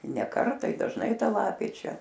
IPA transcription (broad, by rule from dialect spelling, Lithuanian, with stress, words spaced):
nʲɛ ˈkɐrtɑː ɪ dɐʒˈnɐɪ ˈtɐ ˈlˠɑːpʲeː ˈt͡ʃʲɛ